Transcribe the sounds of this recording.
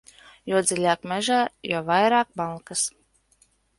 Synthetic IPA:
juɔd̪zʲilʲaːkmʲɛʒaːjuɔvajɾaːk̚balˠkas

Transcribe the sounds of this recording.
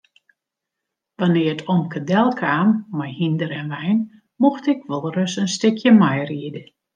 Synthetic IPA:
ʋanɪəətʰɔmkədɛlˠkʰaːmːɛjhindəɾɛnʋɛjn | moxtɪkʋɔlˠrøsənstɪkʰjəmajriədə

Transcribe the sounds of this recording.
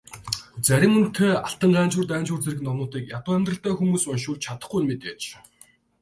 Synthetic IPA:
t͡sæɾʲɪ̆mɵn̥t̪ʰːeːaɬt̪ə̆ɴɢæːnt͡ɕʊːrt̪æːnt͡ɕʊːrt͡seɾɣɘ̆nɔnʊːt̪iːkjat̪ʊːæmʲt̪rə̆ɬt̪æːxumuːsʊnʃʊːɮt͡ɕʰat̪ə̥̆χɡujnmet̪eːt͡ɕ

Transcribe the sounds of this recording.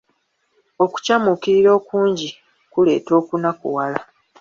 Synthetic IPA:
o̞ku̥camukiɾiɾo̞ːkuːɲɟi | kule̞̰ːto̞ːkunakṵwala

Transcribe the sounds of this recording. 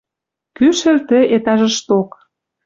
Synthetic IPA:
kyʃə̆lt̪ə̆et̪ɑʒə̆ʃt̪ok

